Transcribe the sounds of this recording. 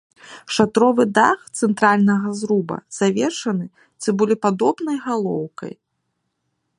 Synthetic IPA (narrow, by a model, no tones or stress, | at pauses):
ʂat̪ɾɔvɨd̪a̰xt̪sɛnt̪ɾalʲnɐɣɐzɾubɐ̰z̥avʲɛʂɐnɨ | t͡sʲibɨlʲipad̪ɔbnɐjɣalˠɔ̰wkɐ̰j